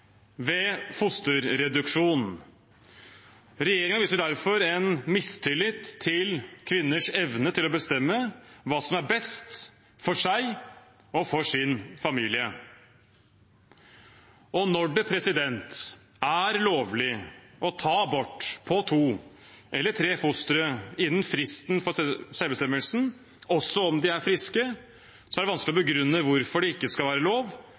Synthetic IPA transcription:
ʋɛːfʊst̪ʉɾɾɛd̪ʉkʂuːn | ɾɛjeːɾɪŋɑʋiːsəɖ̪æɾfɔɾɛnmɪst̪ʰɪlɪt̪ʰːɪlkʰʋɪnːəʂɛʋnət̪ʰɪlɔbəst̪ɛmːəʋɑːsɔmæɾbɛst̪ | fɔʂæɪ | ɔfɔʂɪnfɑmiːlɪə | ɔnɔɖɛpʰɾɛsɪd̪ɛnt̪ | æɾloːʋlɪʔɔt̪ʰɑːbɔʈːpʰɔt̪ʰuː | ʔɛlːəʈʰɾeːfʊst̪ɾəɪnːnfɾɪst̪nfɔsɛlbəst̪ɛmːəlsn̩ | ɔsːɔɔmd̪ɪæɾfɾɪskə | sɔæɾɖɛʋɑnsklɪɔbəɡɾʉnːəʋʊɾfɔɖɛɪkːəskɑlʋæːɾəloːʋ

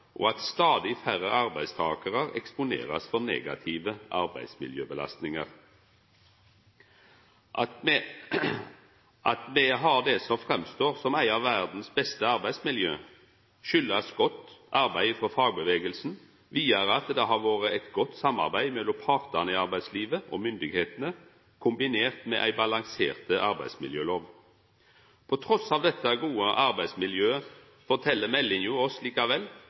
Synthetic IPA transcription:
ʔɔɑt̪st̪ɑːd̪ɪfæɾəʔɑɾbæɪst̪ʰɑːkəʁəɾɛ̰kspʊnḛːʁɑ̰sfɔɾnḛːɡɑt̪ʰiːʋəʔɑɾbæ̰ɪsmɪ̰ljøːbəlɑ̰st̪nɪŋəʁ | ʔɑt̪mɛɦɑɾd̪ɛsɔmfʁɛmst̪oːʁsɔmæɪɑʋæʁd̪n̩sbɛst̪əɑɾbæɪsmɪljø̰ː | ʃʏlːɑsɡɔt̪ːɑɾbæɪfɔfɑːɡ̚bəʋeːɡəlsn̩ | ʋiːəɾəɑt̪d̪ɛɦɑɾʋoːɾəæɪt̪ɡɔt̪ːsɑmːɑ̰ʁbæɪmɛlːɔmpʰɑːʁt̪ənəɪɑɾbæɪsliːʋəʔɔmʏnd̪ɪɡheːt̪ənə | kʰʊmbɪneːʁt̪mɛ̰ʔæ̰ɪbɑlɑŋsḛːʁt̪əʔɑɾbæ̰ɪsmɪ̰ljøːloːʋ | pʰɔt̪ʰɾɔsɑːʋd̪ɛt̪ʰːəɡuːəʔɑɾbæɪsmɪljøːə | fɔt̪ʰɛlːəmɛlːɪnjuːɔsliːkɑʋɛl

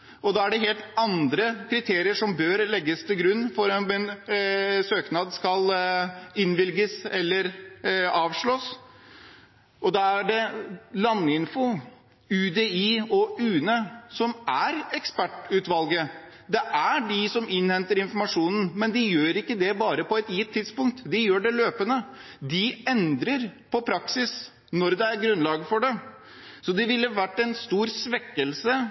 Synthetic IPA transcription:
ɔd̪ɑæɖɛɦeːlt̪ɑnd̪ɾəkʰɾɪt̪ʰeːɾɪəʂɔmbøːɾlɛɡːəst̪ʰɪlɡɾʉnːfɔɾɛɛn | søːknɑd̪skɑl | ɪnʋɪlɡəsɛlːəɾ | ɑːʋʂɭoːs | ɔd̪ɑæɖɛlɑnːɪnfʊ | ʉd̪eiːɔʉːnəsɔmæɾɛkspæʈʉːt̪ʋɑlɡə | d̪ɛʔæɖɪsɔmɪnhɛnt̪əɾɪnfɔɾmɑʂuːnn̩mɛnd̪ɪjøːɾɪkːəd̪ɛbɑːɾəpɔɛt̪jɪt̪ʰːɪd̪spʊŋkt̪d̪ɪjøːɖɛløːpənə | d̪ɪɛnd̪ɾəɾpʰɔpʰɾɑksɪs | nɔɾd̪ɛæɾɡɾʉnlɑːɡəfɔɖɛ | sɔd̪ɛʋɪlːəʋæʈːɛnst̪uːɾsʋɛkːəlsə

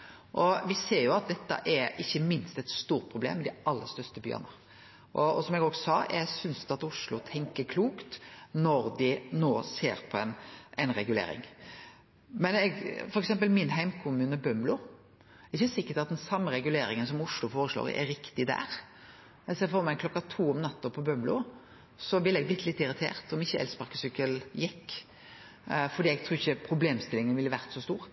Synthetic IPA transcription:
ʔɔʋɪseːɾjʊɑt̪̚d̪ɛt̪ːə̰ʔɛɾɪçːəmɪnst̪ɛt̪st̪uːɾt̪̚pʰɾʊblḛːmːɛd̪ɪɑlːəɾst̪œst̪əby̰ːə̰nə | ʔɔsɔmɛɡoːɡsɑːjæɡsʏnsd̪ɑt̪ʊʂlʊt̪ʰɛŋkəɾkʰluːkt̪nɔɾd̪ɪnoːsḛːɾpʰɔɛnɛnɾɛɡʉlḛːɾɪ̰ŋ | mɛnɛɡfɔɾɛksɛmp̬əlmɪnɦæɪmkʰʊmʉːnəbœmblʊ | ɛɡsʏsɪkːəʈɑt̪̚d̪ɛnsɑmːəɾɛɡʉleːɾɪŋənsɔmʊʂlʊfoːɾəʂlo̰ːɾ̰ʔɛ̰ɾɪkt̪ɪd̪æ̰ɾ | ɛseːfɔːɾmæklɔkːɑt̪ʰuːɔmnɑt̪ːɔpʰɔbœmblʊ | sɔʋɪlːɛɡ̚b̪lɪt̪ːlɪt̪ːɪɾɪt̪ʰḛːɾt̪ɔmɪçːəɛ̰lspɑʁkəsʏkːəljɪkː | fɔɖ̪iːɛɡ̚t̪ʰɾuːɪçəpʰɾʊbleːmst̪ɪlɪŋənʋɪlːəʋæɾt̪sɔst̪uːɾ

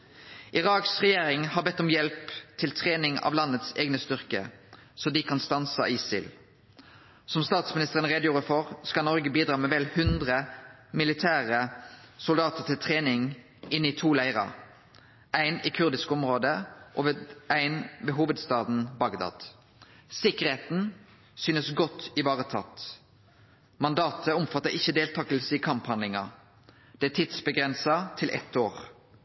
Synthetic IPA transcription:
ʔɪʁɑːksʁɛjeːʁɪŋhɑːʁbɛt̪ːɔmjɛlpt̪ʰɪlt̪ʰʁeːnɪŋɑ̰ʋlɑnːət̪sḛːɡnəst̪ʏʁkə̰ | sɔd̪ɪkʰɑnst̪ɑnsə̰iːsɪl | sɔmst̪ɑːt̪smɪnɪst̪əʁənʁeːd̪əjuːʁəfɔʁskɑlnɔʁɡəbiːd̪ɾʁɑːmɛːʋɛlhʉnd̪ʁəmɪlɪt̪ʰæːʁəsʊld̪ɑːt̪əʁt̪ʰɪlt̪ʰʁeːnɪŋ | ɪnːɪt̪ʰuːlæɪʁɑ̰ | ʔæɪnikʰʉʁd̪ɪskɔmʁoːd̪əʔɔʋʔæɪnʋeːɦuːʋəd̪st̪ɑːd̪n̩bɑɡd̪ɑ̰ːd̪̥ | sɪkəʁeːt̪n | syːnəsɡɔt̪ːɪʋɑːʁət̪ʰɑt̪ | mɑnd̪ɑːt̪ʰəɔmfɑt̪ːəʁɪçəd̪eːlt̪ʰɑːkəlsəɪkʰɑmphɑnd̪lɪŋɑ | d̪̥ɛæt̪ʰiːd̪̥sbəɡʁɛnsɑt̪ʰɪlʔɛ̰t̪oːʁ

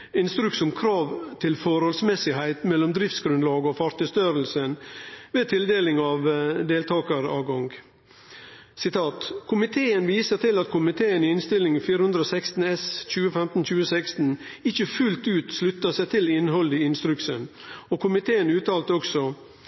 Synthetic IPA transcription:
ɪnst̪ɾʉksɔmkʰɾɑːʋt̪ʰɪlfɔɾhɔlsmɛsɪhæɪt̪mɛlːɔmd̪ɾɪft̪sɡɾʉnlɑːɡəɔfɑɾt̪ɪst̪øːɾəlsənʋeːt̪ʰɪld̪eːlɪŋɑːʋd̪eːlt̪ʰɑːkəɾɑ̰ːʋɡɔŋɡ | sɪt̪ʰɑːt̪kʰʊmɪt̪ʰeːənʋiːsəɾt̪ʰɪlɑt̪kʰʊmɪt̪ʰeːənɪɪnst̪ɪlɪŋfiːɾəhʉnd̪ɾəoːsæɪkst̪n̩ɛsc͡çʉːəfɛmt̪n̩c͡çʉːəsæɪkst̪n̩ | ɪçəfʉlt̪ʉːt̪slʉt̪ːəsæɪt̪ʰɪlɪnhɔld̪iɪnst̪ɾʉksən | okʰʊmɪt̪ʰeːənʉːt̪ʰɑːlt̪əɔksɔ

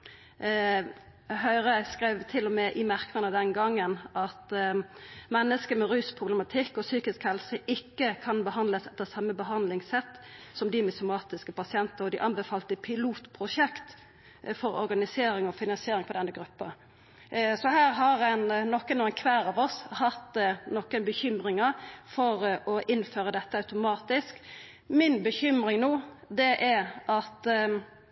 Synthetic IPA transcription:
hœʏɾəskʁæɪʋt̪ʰɪlːɔmɛʔɪmæʁkənəd̪ɛnɡɑŋːənʔɑt̪ | mɛnːəskəmɛɾyːspʰʁʊblɛmɑt̪ʰɪkːɔsyːkɪskhɛlsəʔɪkːəkʰɑnbəhɑnd̪ləsɛt̪ːəsɑmːəbəɦɑnd̪lɪŋsɛt̪ːsɔmd̪ɪmɪsʊmɑːt̪ɪskəpɑsɪɛnt̪əɾɔd̪ɪʔɑnbəfɑːlt̪əpʰɪluːt̪pʰɾʊʃɛkt̪ | fɔɾɔ̰ɾɡɑnɪseːɾɪŋɔfɪnɑnsɪeːɾɪŋpʰɔd̪ɛnːəɡɾʉpːɑ̰ | sɔhæːɾɦɑɾɛnnɔkːənuːənkʰʋæːɾɑʋɔshɑt̪nɔkːənbəçʏmɾɪŋəfɔɾɔʔɪnføːɾəd̪ɛt̪ːəɑʉt̪ʊmɑːt̪ɪsk | mɪnbəçʏmɾɪŋnoːd̪ɛʔɛɾʔɑt̪

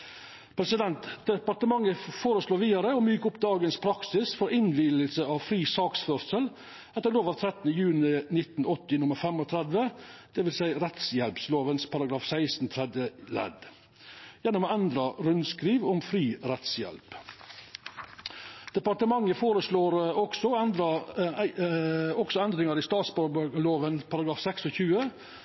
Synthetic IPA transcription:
pʰɾɛsɪd̪ɛnt̪d̪ɛpɑɾʈ̪əmɑŋːəfoːɾəsloːɾʋiːd̪ɑɾəoːmyːkʊpd̪ɑːɡənspʰɾɑksɪsfɔɾɪnʋiːləlsəɑʋfɾiːsɑːksfœɾsəl | ɛt̪ːəɾloːʋɑʋt̪ʰɾɛt̪nəjʉːnɪnɪt̪nɔt̪ːɪnʊməɾfɛmɔt̪ʰɾɛd̪ʋəd̪̥ɛʋɪlsæɪɾɛt̪sjɛlpsloːʋənspʰɑɾɑɡɾɑːfsæɪsn̩t̪ʰɾɛd̪əlɛ̰d̪ | jɛnːɔmːɛnd̪ɾɑɾʉnskɾiːʋɔmfɾiːɾɛt̪sjɛ̰lp | d̪̥ɛpɑɾʈ̪əmɑŋːəfoːɾəsloːɾɔksɔɛnd̪ɾɑ | ɔksɔɛnd̪ɾɪŋɑɾɪst̪ɑːt̪sbɑɾbɡloːʋənpʰɑɾɑɡɾɑːfsɛksɔçʉːə

